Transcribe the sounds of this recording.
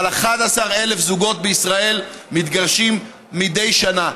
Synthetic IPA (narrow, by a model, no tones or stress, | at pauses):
laχad̪asaʁe̞le̞fzuɡo̞t̪̚beisʁae̞lmit̪ɡaʁʃimː | id̪e̞jʃana